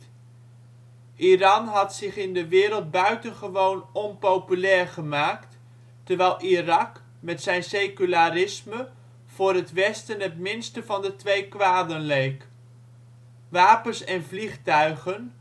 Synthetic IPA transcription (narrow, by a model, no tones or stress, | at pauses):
ʔirɑnɦɑtsɪχɪndəʋɪːɾəlˠd̚bœɥtənχəʋownɔnpowpylɛːɹχəmaːkt | təɹʋɛjlˠʔirɑk | mɛtsɛjnsejkylaːɾɪsmə | v̥ʊːɾɦətʋɛstənɦətmɪnstəvɑndətʋejkʋaːdənlejk | ʋaːpənsɛnvliχtœɥχən